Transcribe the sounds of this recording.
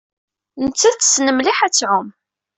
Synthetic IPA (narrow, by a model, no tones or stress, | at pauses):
nt͡sːæt͡sːsnəmliħæt͡sːʕʊm